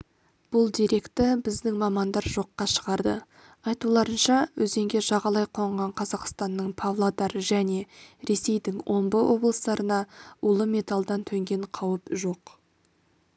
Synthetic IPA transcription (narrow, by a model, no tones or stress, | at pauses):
b̥ʊlˠd̪iɾe̞kt̪ɪbɪzd̪ɪŋmɑmɑnd̪ɑɾʒo̞qːɑʃə̥ʁɑɾd̪ə | ɑjt̪ulˠɑɾənʃɑwɵze̞ŋɡʲe̞ʒɑʁɑlˠɑjqʰo̞ɴʁɑɴqʰɑzɑqst̪ɑnːəɴpʰovlˠad̪ɑɾəʒæne̞ɾe̞se̞jd̪ɪŋwʔo̞mbəwʔo̞blˠəsd̪ɑɾənɑʊlˠəme̞t̪alˠd̪ɑnt̪ʰɵŋɡʲe̞ɴqʰɑwəpʒo̞q